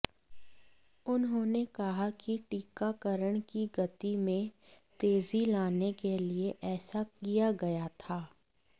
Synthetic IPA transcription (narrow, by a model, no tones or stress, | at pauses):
ʊnɦõːnekɐɦakiʈiːkakəɾəɽ̃kiɡɐt̪imẽt̪eːzilaːnekelieʔɛːsakijaɡɐjat̪ʰaː